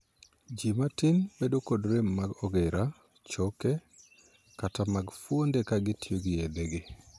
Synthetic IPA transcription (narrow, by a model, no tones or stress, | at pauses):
d͡ʒimatɪnbedokodɾemːaɡɔɡɛɾa | t͡ʃɔkɛ | katamaɡfwondɛkaɡɪtijoɡɪjed̪eɡɪ